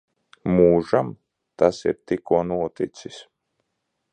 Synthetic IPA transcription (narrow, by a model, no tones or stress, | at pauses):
muːʒam | t̪asḭɾt̪ikuɔnuɔt̪it̪sis